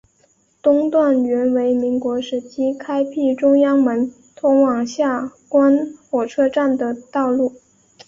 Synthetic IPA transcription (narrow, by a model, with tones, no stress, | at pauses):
t̪ʊ˥ŋt̪wa˥˩nɥɛ˧˥nwe˧˥ɪmi˧˥ŋkwɔ˧˥ʂɻ̩˨˩t͡ɕʰi˥kʰa˥ɪpʰi˥˩ʈ͡ʂʊ˥ŋjɑ˥ŋmə˧˥n | t̪ʰʊ˧˥ŋwɑ˨˩ŋɕja˥˩kwa˥nxwɔ˨˩ʈ͡ʂʰɤ˥ʈ͡ʂa˥˩nd̪ə˩t̪ɑ˥˧ʊlu˥˩